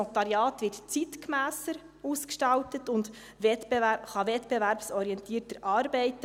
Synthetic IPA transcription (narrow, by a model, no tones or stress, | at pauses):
ɔt̪ɑɾjɑːtʋɪɾtt͡sitkmæːsəɾ | uːskʃtɑltətʊnd | ʋɛtb̥ɛæχɑʋɛtb̥ɛvæɾpsɔɾiɛntiːəɾtəɾʔɑːɾbɛɪt